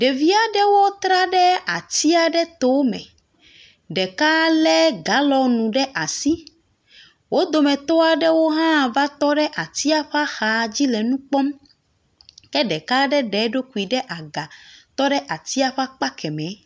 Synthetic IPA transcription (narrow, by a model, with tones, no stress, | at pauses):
ɖe˨vi˦a˨ɖɛ˦wo˦t̪ɾa˦ɖɛ˦a˨t̪i˦a˨ɖɛ˦t̪o˦mɛ̰̃˨ | ɖɛ˨ka˦lɛ˦ɡa˨˦lɔ˨nũ˨ɖɛ˦ʔa˨si˦ | wo˦d̪o˨mɛ̃˨t̪ɔ˦a˨ɖɛ˦wo˦ɦã˦˨va˦t̪ɔ˦ɖɛ˦ʔa˨t̪i˦a˦ɸa˦xa˨d͡ʑi˦lɛ˨nũ˦k͡pɔ˦m | kɛ˦ɖɛ˨ka˦ɖɛ˦ɖɛ˨˦ɖo˦ku˨i˨ɖɛ˦ʔa˨ɡa˨t̪ɔ˦ɖɛ˦ʔa˨t̪i˦a˦ɸa˦k͡pa˦kɛ˨mɛ̃˨˦